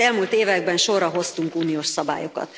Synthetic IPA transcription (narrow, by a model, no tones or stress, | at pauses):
ɛlmult̪eːvɛɡ̚bɛnʃo̞rɒɦo̞st̪uŋkuːnijoːʃsɒba̰ːjo̞kɒ̰t̪